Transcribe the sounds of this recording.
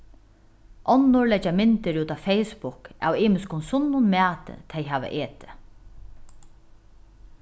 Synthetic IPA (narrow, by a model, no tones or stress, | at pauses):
ʔɔnːʊɹlɛt͡ʃːamɪnt̪ɪɹuːt̪afɛjspʊka̰wiːmɪskʊnsʊnːʊnmæːt̪ɪ̰t̪ʰɛjɦaːʋa̰ʔeːt̪ɪ̥